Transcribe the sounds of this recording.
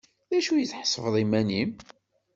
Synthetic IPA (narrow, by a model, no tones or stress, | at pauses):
ðæʃujəθħə̥sˤːəvðˤimænim